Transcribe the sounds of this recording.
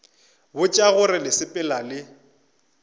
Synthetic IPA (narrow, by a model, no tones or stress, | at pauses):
bʊt͡ʃʼaɣʊɾɪlɪsɪpʼɪlalɪ